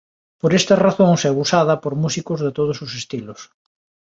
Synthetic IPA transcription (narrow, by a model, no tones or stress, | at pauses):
poɾest̪ɐraθoŋsɛβusaðɐpoɾmusikʊzðɪt̪oð̞ʊsʊsest̪ilʊs